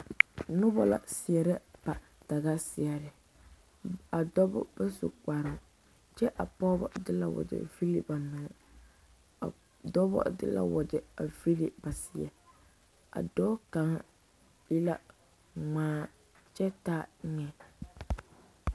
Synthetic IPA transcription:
nʊ˦bɔ̰˦la̰˨sɪ˨ɛ˨ɾɛ˦pa˨ | ta˨ɣa˦sɪ˨ɛ˨ɾɪ˨ | a˨dɔ˦bʊ̰˦b̥a˦sṵ˨k͡pa˨ɾɪ˨˦ | t͡ʃɛ˦ʔa˨pɔ˦bɔ˨dɪ˦la̰˨wɔ̰˨d͡ʒɛ̰˨vi˦li˨ba˨mɪ˨ŋɛ˨ | a̰˨ | dɔ˦bɔ̰˦dɪ˦la̰˦wɔ˨d͡ʒɛ˨a˨vi˦li˦ba˨sɪ˨ɛ˨ | a̰˨dɔː˦ka˨ŋa˦ | ji˦la˦ | ŋ͡maː˦ | t͡ʃɛ˦taː˦ŋɛ˨

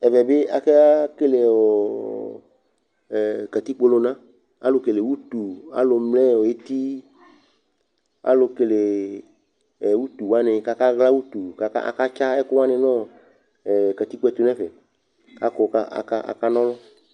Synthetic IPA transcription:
ɛ˨vɛ˨be˦a˨kɛ˦a˦ke˦le˨wɔ˨ | kɛ˨t̪i˦k͡po˦lo˨˦nã˦ | a̰˦lo˨ke˨le˨wu˦t̪u˨a̰˦lo˨mlɛ˦˨wo˨je˦t̪i˦ | a̰˦lo˨ke˨le˨ | wu˦t̪u˨wa˦nẽ˨ka˦ka˦ɣla˦wu˦t̪u˨ka˨ka̰˦a̰˨ka˦t͡ʃa˦ɛ˦kʊ˦wa˦nẽ˨nɔ̃˦˨ | kɛ˨t̪i˦k͡po˦ɛ˦˨t̪u˨nɛ̃˦vɛ˨ | ka˦kɔ˨ka˦a̰˨ka˦a̰˨ka˦nɔ̃˦lɔ˦

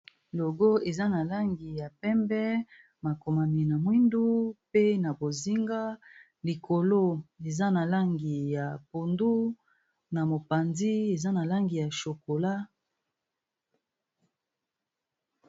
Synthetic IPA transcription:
lo˨ɡo˦e˨za˦na˨la˦ŋɡi˨ja˨pɛ˦mbɛ˦ | ma˨ko˨ma˨ni˨na˨mwi˦ndu˦pe˦na˨bo˨zi˦ŋɡa˦ | li˨kʰo˨lo˦e˨za˦na˨la˦ŋɡi˨ja˨po˨ndu˦ | na˨mo˨pa˨nzi˦e˨za˦na˨la˦ŋɡi˨ja˨ʃo˨ko˨la˦

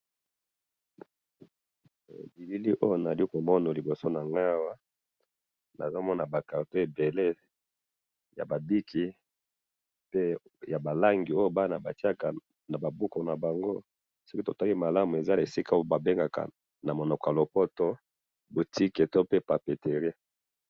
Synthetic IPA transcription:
bi˨li˦li˦ʔo˦jo˦na˨li˦ko˨mɔ˦no˨li˨bo˨so˦na˨ŋɡa˦wa˦ | na̰˨zo˦mɔ˦na˨ba˨ka˨pe˦˨be˨le˦ | ja̰˨ba˨di˦kʰi˨ | pe˦ja˨ba˨la˦ŋɡi˨o˦jo˦ba˦na˨ba˨ti˦a˦ka˨ | na˨ba˨bu˦ko˨na˨ba˨ŋɡo˦ | sɔ˦ki˦to̰˨ta˦li˦ma˨la˦mu˨e˨za˦˨e˨si˦ka˦o˦o˦ba˨be˦ŋɡa˨ka̰˨ | na˨mo˨nɔ˨kɔ˨a˨lo˨pɔ˦to˦ | bo˨ti˦ke˨to˦pe˦pa˨pe˨te˨ʁi˦

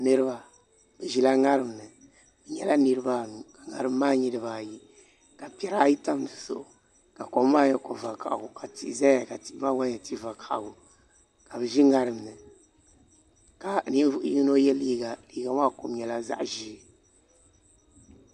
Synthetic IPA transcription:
nɨ˦ɾɨ˦ba˨ | bɨ˨ʒi˨la˦ŋa˦ɾɨ˨mnɨ˨ | bɛ˨ɲɛ˦la˦nɨ˦ɾɨ˦ba˦˨nu˨ka˨ŋa̰˨ɾɨ˦mː˦aː˦ɲi˦dɨ˨baː˨ji˦ | ka˨pi˦ɛ˦ɾa˦ji˦ta˦mdɨ˨sʊ̰˨ʔʊ˨ | ka˨ko˨˦mː˦aː˦ɲɛ˦ko˨va˨ka̰˨ʔɡʊ˨ka˨ti˨za˦a˨ka˨ti˨ʔba˦ɡa˦ɲɛ˨ti˦va˨kʰa˨ʔɡʊ˨ | ka˨bɨ˨ʒi˦ŋa˦ɾɨ˨m˨nɨ˨ | ka˨ni˦n˦vu˦ʔʊ˦ji˦ŋ˦no˦jɛ˦liː˦ɡa˨liː˦ɡa˨wa˦˨ko˨mɲɛ˨la˦za̰˦ʔʒi˦

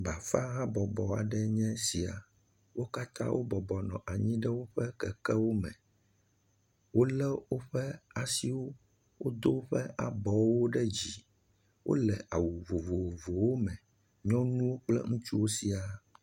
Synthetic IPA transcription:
ba˨fa˦ɣã˦bɔ˨bɔ˨a̰˨ɖɛ˦ɲɛ̃˦si˨a̰˨ | wo˦ka˦t̪ʰã̰˦wo̰˦bɔ˨bɔ˨nɔ̃˨ʔa˨ɲĩ˦ɖɛ˦wo˦ɸɛ˦kɛ˨kɛ˦wo˦mɛ̃˨ | wo˦lɛ˦wo˦ɸɛ˦a˨si˦wo˦ | wo˦d̪o˦ɸɛ˦ʔa˨bɔ˨wo˦ɖɛ˦d͡ʑi˨ | wʔo̰˦lɛ˨ʔa˨wu˨vo˨vo˨vo˨wo˦mɛ̃˨ | ɲɔ̃˦nũ˦wo˦k͡plɛ̰˦ŋũ˦t͡ʃu˦wo˦si˦a˨

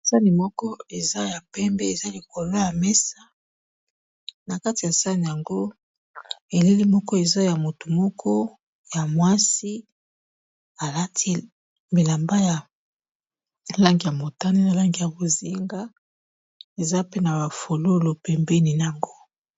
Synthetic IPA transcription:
sa˦ni˨mɔ˦kɔ˦e˨za˦ja˨pɛ˦mbɛ˦e˨za˦li˨ko˨lo˦ja˨mɛ˦sa˦ | na˨ka˦ti˨ja˨sa˦ni˨ja˨ŋɡo˦ | e˨le˦li˦mɔ˦kɔ˦e˨za˦ja˨mo˨tu˨mɔ˦kʰɔ˦ | ja˨mwa˦si˦ | a˨la˦tʰi˦ | mi˨la˨mba˦ja˨ | la˦ŋɡi˨ja˨mo˨ta˦ne˦na˨la˦ŋɡi˨ja˨bo˨zi˦ŋɡa˦ | e˨za˦pe˦na˨ba˨fo˨lo˦lo˨pɛ˨mbɛ˦ni˨n˨a˨ŋɡo˦

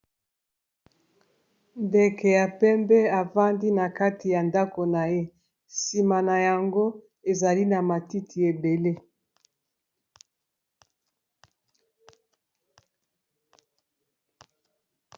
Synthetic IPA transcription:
nde˨kʰe˨ja˨pɛ˦mbɛ˦a˨va˦ndi˦na˨ka˦ti˨ja˨nda˦ko˨na˨je˦ | si˨ma˨na˨ja˨ŋɡo˦ | e˨za˨li˦na˨ma˨ti˦tʰi˨e˨be˨le˦

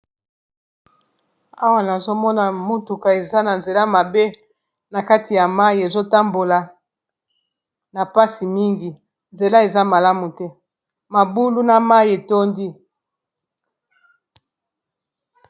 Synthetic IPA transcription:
a˦wa˦na˨zo˦mɔ˦na˨mo˦tu˨ka˨e˨za˦na˨nze˨la˦ma˨be˦ | na˨ka˦ti˨ja˨ma˦i˨e˨zo˦ta˦mbo˨la˨ | na˨pa˦si˨mi˦ŋɡi˨ | nze˨la˦e˨za˦ma˨la˦mu˨tɛ˦ | ma˨bu˦lu˦na˨ma˦je˨to˦ndi˦

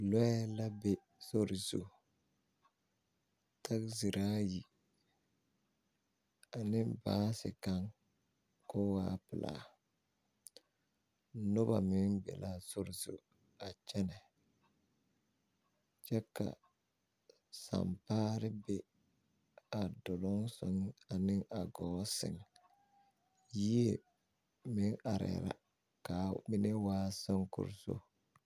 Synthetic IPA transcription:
lɔ˦ɛ˦la˦be˦ | so˦ɾɪ˨zṵ˨ | tʰa˦kzi˨ɾaː˦ji˨ | a˨nɪ˦baː˦sɪ̰˨ka˦ŋ | ko˦waː˦pɪ˨la̰ː˨˦ | nʊ˦ba̰˨mɪ˦ŋbɛ̰˨la˦sʊ˦ɾɪ˨zṵ˨ | a˨t͡ʃɛ˦nɛ˨ | t͡ʃɛ˦ka̰˨ | sa̰˨mpaː˦ɾɪ˦bɪ˦ | a˨dʊ˨lʊ˦ŋsɔ̰˨ŋ˦a˨nɪ˦ŋa˨ɡɔː˨˦sɪ̰˨ŋ | ji˦e˨ | mɪ˦ŋa˨ɾɛ̰˨ɾa̰˨ | ka˨mɪ˦ne˦waː˦sɔ˦ŋkʊ̰˨ɾso̰˦

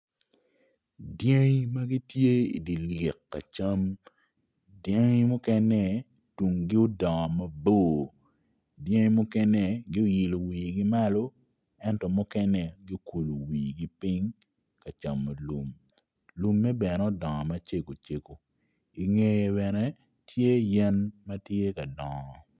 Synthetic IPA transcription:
dje˦ŋ˦ma˦ɡi˦tje˦ḭ˨di˨lɪ˨kːa̰˨t͡ʃa˦m | dje˦ŋ˦mʊ˦kɛ˦nɛ˦ | tu˨ŋɡɪ˦o˦dɔ˨ŋɔ˨ma˦boː˦˨ | dje˦ŋ˦mʊ˦kɛ˦nɛ˨ɡɪ˦o˦ji˨lo˨wiː˨ɡi˦ma˦lo˦ | ɛ˦ntɔ˨mʊ˦kɛ˦nɛ˦˨ɡɪ˦o˦ku˨lo˨wiː˨ɡi˦pi˦ŋ | ka˨t͡ʃa˨mːa˨lu˨m | lu˦mːɛ˦bɛ˨nɛ˨o˨dɔ˨ŋɔ˨ma˦t͡ʃe˦ko˨t͡ʃe˦ko˨ | i˨ŋe˦je˨βɛ˨nɛ˦ | tʰje˦jɛ˦nma˦tje˦ka˨dɔ˨ŋɔ˨

